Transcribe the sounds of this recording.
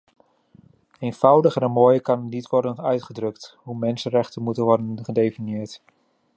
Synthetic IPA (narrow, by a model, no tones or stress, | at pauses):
eːnfʌwdəχənɛnmoːjəkɑnnitʋɔrdənœɥtχədrɵkthumɛnsənrɛχtənmutənʋɔrdənχədejfinjɪəɹt